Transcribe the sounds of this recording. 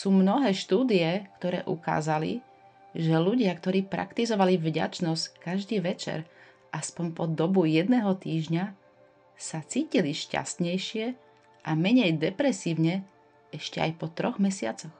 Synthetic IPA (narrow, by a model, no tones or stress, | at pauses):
suːmnɔɦɛːʃt̪uːd̪ijɛkt̪ɔɾɛ̰ːʔṵka̰ːzalḭ | ʒɛluɟɪakt̪ɔɾiːpɾa̰kt̪izɔʋalivɟa̰t͡ʃnɔsckaʒd̪iːʋɛt͡ʃɛ̰ɾ | ʔaspɔɲpɔd̪ɔbujɛd̪nɛːɦɔt̪iːʒɲa | sat͡siːciliʃca̰st̪ɲɛjʃɪɛ | ʔamɛɲɛjd̪ɛpɾɛsiːʊɲɛ | ɛʃcɛa̰jpɔt̪ɾɔɣmɛsɪat͡sɔx